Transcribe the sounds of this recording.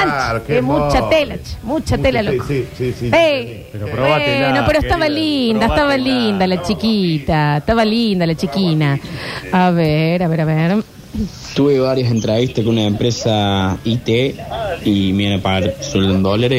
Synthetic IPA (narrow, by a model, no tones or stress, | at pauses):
ant͡ʃemut͡ʃt͡ʃat̪elat͡ʃmut͡ʃat̪elalokbe | nopeɾoest̪aβalind̪aest̪aβalind̪alat͡ʃikit̪aest̪aβalind̪alat͡ʃikinaaβeɾaβeɾaβeɾ | t̪uβeβaɾjasent̪ɾeβiht̪akeunaempɾesait̪eimianapaɣaɾswelond̪olaɾe